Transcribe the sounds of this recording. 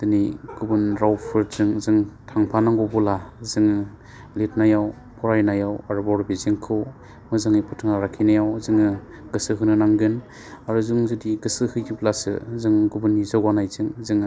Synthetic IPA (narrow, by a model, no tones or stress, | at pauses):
d̥ɯniɡ̥ubɯnɾawpʰɯɾz̥ɯŋzɯŋtʰaŋpʰanaŋɡobulazɯŋ | let̚najaw | pʰɔɾajnajawaɾbɔɾbiziŋkʰɯw | mɯzɯŋipʰutʰɯŋaɾakʰinajawzɯŋɯ | ɡɯsɯɦɯnɯnaŋɡɯn | aɾuzuŋzɯdiɡɯsɯhɯjɡiblasɯ̰zɯŋɡubɯnːizaɡwanajzɯŋzɯŋ